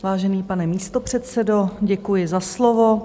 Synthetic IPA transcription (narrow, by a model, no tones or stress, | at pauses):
vaːʒɛniːpanɛmiːst̪o̞pr̝̥ɛt̪sɛdoɟɛkujɪzaslovo